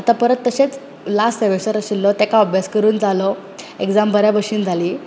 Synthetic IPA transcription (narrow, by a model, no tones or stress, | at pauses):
at̪apəɾət̪ːəɕet͡s | last̪əʋesəɾəɕilːɔt̪akaɔbjaskəɾuːnd͡zalɔ | eɡd͡zambʱəɾjabəʂiːnd͡zʱaliː